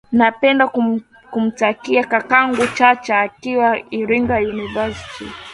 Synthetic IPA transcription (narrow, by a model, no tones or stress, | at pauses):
napɛndaku | kum̩takiakakaŋɡut͡ʃat͡ʃaːkiwaiɾiŋɡajunivastʰḭ